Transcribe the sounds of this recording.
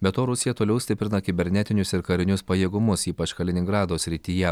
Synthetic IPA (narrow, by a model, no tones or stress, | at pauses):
bʲɛt̪oːɾʊsʲɪjɛt̪oːlʲɛʊsʲt̪ʲɪpʲɾʲɪnɐkʲɪbʲɛɾʲnʲɛt̪ʲɪnʲʊsɪɾkɐɾʲɪnʲʊspɐjeːɡʊmʊsiːpɐt͡ʃkɐlʲɪnʲɪŋɡɾɑːd̪oːsʲɾʲɪt̪ʲiːjɛ